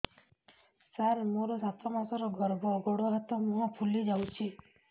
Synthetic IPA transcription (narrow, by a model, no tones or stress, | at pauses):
saɾmoɾɔsat̪ʰɔmasɔɾɔɡɔɾɡɔɡoɽɔɾat̪ɔmuɦɔpʰulid͡ʒawt͡ʃʰi